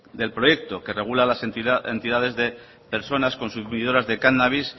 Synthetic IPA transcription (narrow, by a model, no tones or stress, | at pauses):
d̪e̞lpɾoje̞k̚t̪o̞ke̞re̞ɣ̞ulalasee̞nt̪iðað̞e̞zðe̞ | pe̞ɾso̞nasko̞nsumiðo̞ɾazðe̞kanaβis